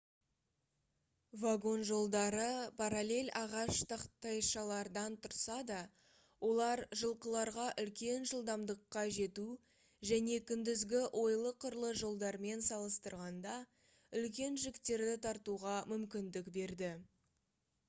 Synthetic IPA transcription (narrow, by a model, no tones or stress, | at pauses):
vaɡo̞nʒo̞lˠd̪ɑɾəpʰaɾalʲe̞lʲɑʁɑʃt̪ʰɑqt̪ɑjʃɑlˠɑɾd̪ɑnt̪ʰʊɾsɑd̪ɑ | wʔo̞lˠɑɾʒəlˠqəlˠɑɾʁɑʔʏlkʲe̞nʒəlˠd̪ɑmd̪əqːɑʒe̞t̪u | ʒæne̞kʲʰʏnd̪ɪzɡʲɪʔwʔo̞jlˠəqʰːʊɾlˠəʒo̞lˠd̪ɑɾme̞nsɑlˠəst̪əɾʁɑnd̪ɑ | ʏlk̬ʲe̞nʒɪkt̪e̞ɾd̪ɪt̪ʰɑɾt̪uʁɑmʏmkʲɪnd̪ɪkbe̞ɾd̪ɪ